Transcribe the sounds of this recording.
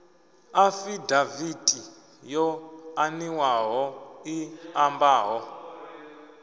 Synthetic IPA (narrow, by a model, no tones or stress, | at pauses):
afidavidʼi | jɔaniwaɦɔiambaːɦɔ